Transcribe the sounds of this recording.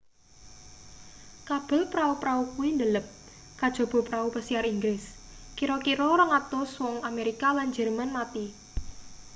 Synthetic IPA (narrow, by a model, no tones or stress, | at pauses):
kab̥ə̤lpɾaupɾaukuwind̪ələp̚ | kad̥ʒ̥o̤b̥ɔ̤pɾaupəsiaɾiŋɡɾɪs | kiɾɔkiɾɔɾəŋat̪ʊswɔŋameɾikaland͡ʒɛrmanmat̪i